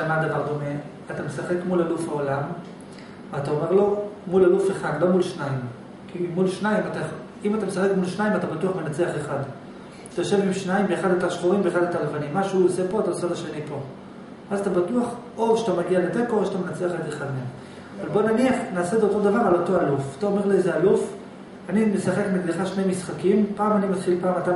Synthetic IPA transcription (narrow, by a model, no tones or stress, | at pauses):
amad̪avaʁd̪o̞me̞ | atame̞saχe̞kmulalufhaolam | veataome̞ʁlo̞mulalufeχad̪lo̞mulʃnaim | kʰimulʃnaimat̪aj | imatamesaχekmulʃnaimatabatuaχmenat͡seaχeχad | at̪ajoʃe̞vimʃnajimbeːχadletaʃχuʁimbeχladetalevanimːaʃeuose̞po̞ataosetaʃenipo̞ | azat̪abatuaχ | o̞vʃat̪amaɡialetekovʃat̪amenat͡seaχedeχadmem | avalbo̞naniaχnaːsedeotod̪avaʁalo̞to̞alufataome̞ʁliezealuf | animesaχe̞kmedleχaʃnejmisχakimpaːmanimat̪χilpaːmata